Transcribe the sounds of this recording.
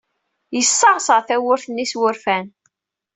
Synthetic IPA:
jəsːɑʁsəʁθæwʊɾθənːiswʊɾfæn

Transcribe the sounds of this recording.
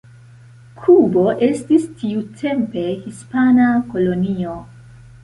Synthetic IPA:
kʰubo̞ʔe̞stistiutʰe̞mpe̞hispanako̞lo̞nio̞

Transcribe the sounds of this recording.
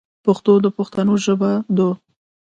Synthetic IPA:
paxt̪od̪əpaxt̪anoʒəbad̪o

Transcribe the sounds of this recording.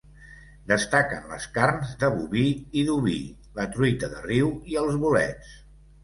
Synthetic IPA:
d̪əst̪akənlə̰skaɾnzd̪əβuβiiðuβi | lət̪ɾujt̪əðəriwiəlˠzβulɛ̰t͡s

